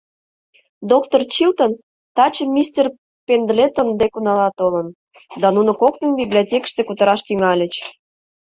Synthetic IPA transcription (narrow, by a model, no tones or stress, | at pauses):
d̪okt̪ort͡ɕilt̪on | t̪ɑt͡ɕəmʲːist̪ʲer | pend̪let̪ənd̪ekunɑlɑt̪olə̆n | d̪ɑnunŏkoknənbiblʲiotʲekə̥ʃt̪ekut̪əɾɑʃt̪yŋɑlʲə̆t͡ɕ